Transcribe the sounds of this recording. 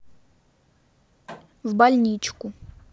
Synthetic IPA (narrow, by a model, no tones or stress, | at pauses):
wbalʲnʲit͡ʃkʊ